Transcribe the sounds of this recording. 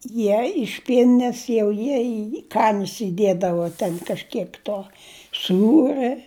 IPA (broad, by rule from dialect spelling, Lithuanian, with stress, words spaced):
ˈjiɛ ɪʃ ˈpʲiɛnʲɪnʲɛs jɛʊ ˈjiɛ iː ˈkɑːnʲɪs iːˈdʲiɛdɐʋoː ˈtʲɛn kɐʃʲˈkʲiɛk ˈtoː ˈsuːrɜ